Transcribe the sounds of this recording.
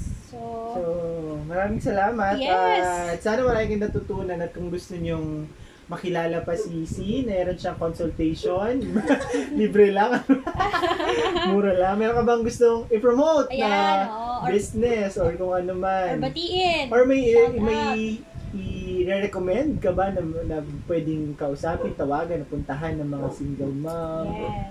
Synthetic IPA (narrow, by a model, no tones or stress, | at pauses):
somɐɾaːmɪŋsɐlaːmɐt̪asaːnɐmɐɾaːjɪŋkɐnɐt̪uːt̪uːnɐnɐt̪̚kʊŋɡʊst̪oɲoŋ | mɐkɪlaːlɐpɐsisinɐɛːɾo̞nʃɐŋkonsʊlt̪ɛjʃon | liːbɾɛlɐŋɐno | muːɾɐlɐŋmɛɾoŋkɐbaŋɡʊst̪oŋʔɪpɹomowt̪nɐbisnɛsʔoɹkʊŋʔɐnomannʔoɹmɐjmɐj | ɪɾɛɾɛkomɛnd̪̚kɐbanɐnɐpwɛːd̪ɪŋkɐʔʊsaːpɪnt̪ɐwaːɡɐnːɐpʊnt̪ɐɦanːɐŋmɐŋasiŋɡɛlma